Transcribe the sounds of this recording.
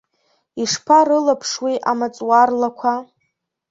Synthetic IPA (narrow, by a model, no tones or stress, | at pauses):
iʂpʰaɾɨlapʰʂwiʔamat͡sʼwarlakʷʰa